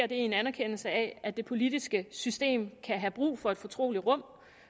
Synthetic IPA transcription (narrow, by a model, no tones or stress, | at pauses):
ɐd̥e̝e̝nænæɐkʰen̰l̩səæʔæd̥e̝pʰo̝lid̥isɡ̥əsysd̥e̝̰ːmkʰæɦæb̥ʁṵːfɒ̽e̝d̥fɒ̽t͡sʰʁo̝̰ːliʁɔ̽m̰